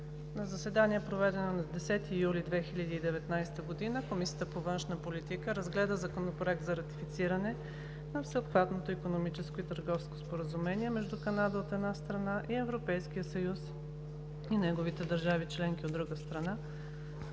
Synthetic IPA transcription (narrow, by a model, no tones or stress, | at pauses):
nɐzəsɛd̪aniɛpɾovɛd̪ɛnonɐd̪ɛsɛt̪ijulid̪vɛxiʎʲəd̪iːd̪ɛvɛt̪najst̪əɡod̪inəkomisijət̪əpovɤnʃnəpolit̪ikəɾəzɡlɛd̪əzɐkonopɾoɛk̚t̪zɐɾɐt̪i̥fit̪siɾənɛ | nɐfsɛot̪xvat̪not̪oikonomit͡ʃɛskoit̪əɾɡɔfsko̥spoɾəzumɛniɛmɛʒd̪ukɐnad̪əot̪ɛd̪nast̪ɾɐnaʔiɛvɾopɛjskiəsəjus | inɛɡovit̪ɛd̪əɾʒavit͡ʃlɛŋkʲiod̪ɾuɡəst̪ɾɐna